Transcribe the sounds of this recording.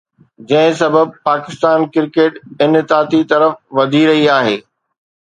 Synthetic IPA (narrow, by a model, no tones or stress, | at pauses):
d͡ʑɐ̃ɦɪ̃s̬ɐbəb̚paːkɪst̪aːnkɪɾkeːʈɪnɪt̪aːt̪it̪ɐɾəfʋɐd̪ʱiɾɐɦiaːɦeː